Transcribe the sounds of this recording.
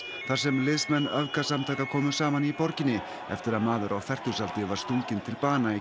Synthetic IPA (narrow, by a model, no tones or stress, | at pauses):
θaɾ̥sɛmlɪðsmɛnːœvkasamt̪ʰaːjkakʰɔːmʏsaːmanipɔɾcɪnːɪ | ɛ̰ft̪ɪɾaðmaːðʏɾʔawθɛr̥c̪ʏsalt̪ɪvaɾ̥st̪uɲcɪnt̪ʰɪlpaːnai